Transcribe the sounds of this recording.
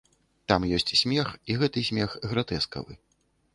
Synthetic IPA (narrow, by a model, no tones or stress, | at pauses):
t̪amjɔsʲt͡sʲsʲmʲɛxiɣɛt̪ɨsʲmʲɛxɣɾat̪ɛskɐ̰vɨ̰